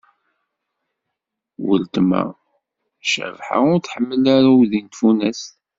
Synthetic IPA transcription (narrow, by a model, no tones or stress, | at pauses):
wə̰lt̪mæ̰ | ʃə̰vħa̰ʊɾθħəmːəlæɾawðint̪funæs